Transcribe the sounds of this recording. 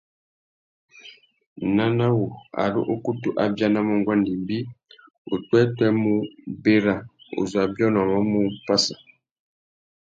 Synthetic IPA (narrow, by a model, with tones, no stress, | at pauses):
na˦na˦wu˨a̰˨lṵ˦ʔo˦ku˦tu˦ʔa˦bja˦na˦mo˦˨ŋɡwa˦ndi˨mbi˦ | o˨twɛ˦tɛ˦mu˦be˦ɾa˨o̰˨zwa˨bjɔ˦nɔ˨mɔ˦mu˦pa˦sa˨